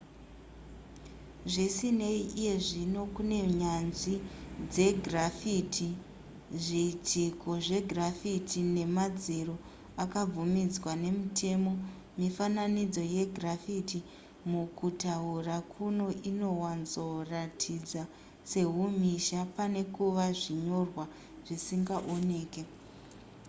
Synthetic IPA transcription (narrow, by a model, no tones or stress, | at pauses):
ʐisine̞iʔije̞ʐino̞kune̞ɲanʐid͡ze̞ɡʱrafitʰi | ʐitiko̞ʐe̞ɡʱrafitʰine̞mad͡ziɾo̞ | akab͡vumid͡zwane̞mutʰe̞mo̞ | mifananid͡zo̞je̞ɡʱrafiti | mukutaurakʰuno̞ʔino̞wanzo̞ratʰid͡za | se̞ɦumiʃapane̞kuʋaʐiɲo̞rwa | ʐ̥isiŋɡaʔone̞ːke̞